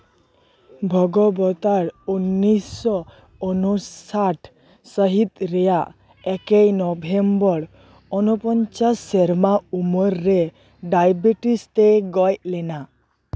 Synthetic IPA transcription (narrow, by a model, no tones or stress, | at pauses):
bʱɔɡɔbɔt̪aɾunːisɔ | ɔnusaʈʰ | səɦit̪ɾɛjaʔ | ɛkejnɔbʱembɔɾ | ɔnupɔnt͡ʃasːeɾmaumɔɾːe | ɖajbiʈist̪eɡɔjtlɛna